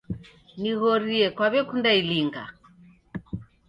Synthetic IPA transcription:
niɣɔɾiɛkwaβɛkundailiŋɡa̰

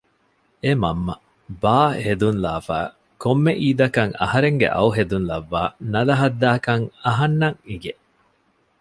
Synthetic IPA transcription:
emɐmːɐ | baːhed̪unlaːfa̰ː | komːeʔiːd̪ɐkɐŋɐ̰hɐɾeŋɡḛʔɐ̰wɦed̪unlɐʋːaːnɐlɐɦɐd̪ːaːkɐŋɐɦɐnːɐŋiɡe

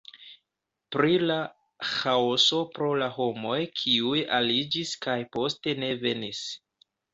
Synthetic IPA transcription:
pɾila | xaoso̞pɾo̞laɦo̞mo̞jkʰiujalid͡ʒiskajpo̞ste̞ne̞ve̞nis

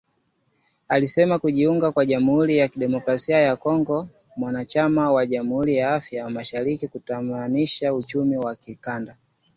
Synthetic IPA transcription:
alisɛmakuʄiuŋɡakwaʄamuhuɾijakiɗɛmɔkɾasiajakɔŋɡɔ | mwanat͡ʃamawaʄamuhuɾijaafjamaʃaɾikikutamaniʃaut͡ʃumiwakikanda

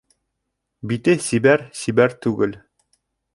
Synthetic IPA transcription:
bit̪ɘsibæɾsibæɾt̪ʉɡɘl

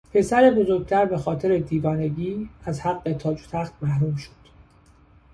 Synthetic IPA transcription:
pʰe̞sæɾebo̞zo̞ɾɡ̚t̪ʰæɾbe̞xɒːt̪ʰe̞ɾe̞d̪iːvɒːne̞ɟiːæzhæɢːe̞t̪ʰɒːd͡ʒot̪ʰæxt̪mæhɾuːmʃo̥d̪̥

